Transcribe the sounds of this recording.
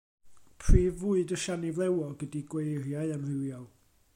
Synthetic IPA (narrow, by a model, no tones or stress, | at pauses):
pʰriːvuɨdəʃanivlˠɛwɔɡədiɡwejrjaɨəmrɪwjɔlˠ